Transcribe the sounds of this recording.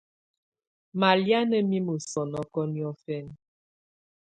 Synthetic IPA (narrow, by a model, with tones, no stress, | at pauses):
ma˨lja˦nə˦mi˦mə˨sɔ˨nɔ˦kɔ˦njɔ˦fɛ˦n